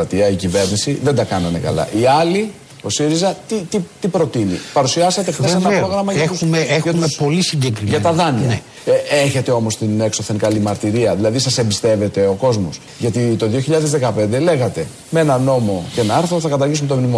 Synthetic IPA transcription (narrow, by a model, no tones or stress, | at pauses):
ɐt̪iɐicive̞ɾnisiðe̞nd̪ɐkɐnɐnḛkɐ̰lɐ̰ʔiɐli | o̞siɾizɐt̪it̪it̪ipɾo̞t̪inḭpɐɾusiɐse̞t̪̬ekeseɐpɾo̞ɣɾɐmɐʝɐumeexɐtumepo̞lisiɲɟekɾiʝɐt̪ɐðɐniɐ | eçe̞t̪eo̞mo̞st̪inekso̞θe̞nkɐlimɐɾt̪iɾiɐðilɐðisɐse̞mbist̪e̞ve̞t̪e̞o̞ko̞zmos | ʝɐt̪it̪o̞ðio̞çiʎɐðezðekɐpe̞nd̪e̞le̞ɣɐt̪e̞ | mee̞nɐno̞mo̞cenɐɐɾθɾoθɐkɐt̪ɐɾʝisumt̪omnimo